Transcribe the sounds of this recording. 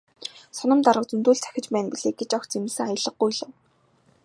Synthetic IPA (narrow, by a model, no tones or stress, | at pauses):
sɔnɞ̆mt̪aɾʁə̆q̚t͡sunt̪uːɬt͡sʰæ̥xʲɪ̆t͡ɕpæːnpiɮeːk̚ɡet͡ɕɔxt͡semɘ̆ɮsɘ̆ŋajə̆ɮə̆q̚ːujɮə̆w